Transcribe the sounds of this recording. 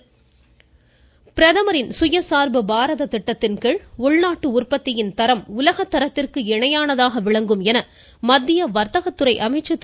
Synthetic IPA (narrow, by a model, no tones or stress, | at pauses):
pɪɾɐðɐmɐɾɪnsʊjɐsaːɾbɯbaːɾɐðɐt̪ɪʈːɐt̪ːɪnkɐɭʊɭnaːʈːɯʊrpɐt̪ːɪjɪnt̪ɐɾɐmʊlɐɣɐt̪ːɐɾɐt̪ːɪrkɯɛɳɐjaːnɐðaːɣɐʋɪɭɐŋɡɯmɛnɐ | mɐd̪ːɪjɐʋɐɾt̪ɐɣɐt̪ːɯɾɐɪʔɐmɐɪt͡ʃːɐt̪ː